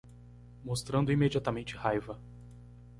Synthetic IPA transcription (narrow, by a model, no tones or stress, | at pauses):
most̪ɾɐ̃nd̪ʊimed͡ʒiat̪ɐmẽnt͡ʃɪhajvɐ